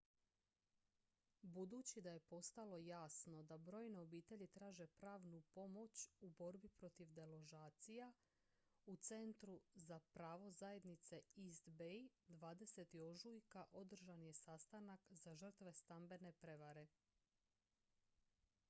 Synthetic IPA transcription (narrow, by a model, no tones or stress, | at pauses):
bud̪ut͡ɕid̪aje̞po̞st̪alo̞jaːsno̞d̪abɾo̞ːjneobiːt̪e̞ʎit̪ɾaːʒe̞pɾaːʋnupo̞mo̞t͡ɕubo̞ɾbipɾo̞t̪iʋd̪e̞lo̞ʒaːt̪sija | ut̪se̞nt̪ɾuzapɾaːʋo̞zaje̞d̪nit̪se̞isd̪bejd̪ʋaːd̪e̞se̞t̪io̞ʒujkaʔo̞d̪r̩ʒanje̞sast̪anakzaʒr̩t̪ʋe̞st̪ambe̞ne̞pɾe̞ʋaɾe̞